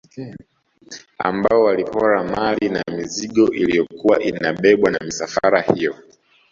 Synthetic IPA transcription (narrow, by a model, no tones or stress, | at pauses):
a̰mbaɔwalipʰɔɾamalinamiziɠɔʔilijɔkuwaʔinaɓɛɓwanamisafaɾahijɔ